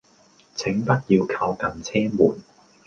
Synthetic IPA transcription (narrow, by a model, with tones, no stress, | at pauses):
t͡sʰɪ˨˥ŋpɐ˥t̚jiː˧wkʰaː˧wkɐ˨nt͡sʰɛː˥mṵː˨˩n